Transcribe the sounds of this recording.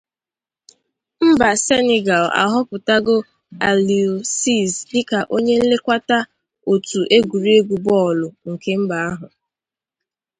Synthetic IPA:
m̩˦ba˨se˦ne˨ɡa˨la̰˨ɦʊ˦pʊ˨ta˦ɡʊ˦ | a˨li˨u˨si˦˨zɪ˦ka˨ʔo˦ɲe˦n̩˦le˦kʷa˦ta˦ | o˨tu˨ʔe˦ɡʷu˨ɾi˦e˦ɡʷu˨bɔ˦˨lʊ˨ŋ̩˨ke˦m̩˦ba˨a˦ɦʊ˨

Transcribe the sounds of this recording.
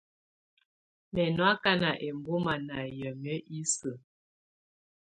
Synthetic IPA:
mɛ˨nwa˦ka˦na˨ʔe˨mbo˦ma˨na˨jə˨mjə˦ʔi˦sə˨

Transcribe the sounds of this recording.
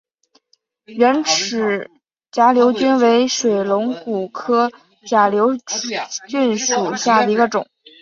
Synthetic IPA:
ɻə˧˥nʈ͡ʂʰɻ̩˨˩ | t͡ɕja˧˥ljo˧˥ʊt͡ɕy˥nwe˧˥ɪʂwe˨˩ɪlʊ˧˥ŋku˨˩kʰɤ˥ | t͡ɕja˧˩ljo˧˥ʊt͡ɕy˥˩nʂu˨˩ɕja˥˩d̪ə˩i˧˥ɡə˧ʈ͡ʂʊ˨˩˦ŋ

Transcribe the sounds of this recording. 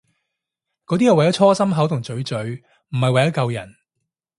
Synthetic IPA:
kɔː˨˥t̪̬iː˥jɐ˨˩wɐ˨jɐ˨˥t͡ʃʰɔː˥sɐ˥mɦɐ˨˥wt̪ʊ˨˩ŋt͡sɵ˨˥ɥt͡sɵ˨˥ɥ | m̩˨˩hɐ˨jwɐ˨jɐ˥kɐ˧wjɐ̰˨˩n

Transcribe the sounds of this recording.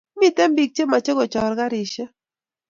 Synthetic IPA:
mi˦tɛ˦mbi˨k̚t͡ʃe˦ma˨t͡ʃe˦ɡɔ˨t͡ʃɔ˨ɾka˦ɾɪ˨ʃɛ˦

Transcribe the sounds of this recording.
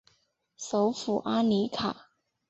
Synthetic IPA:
so˧˥ʊfu˨˩ʔa˥ni˧˥kʰa˨˩

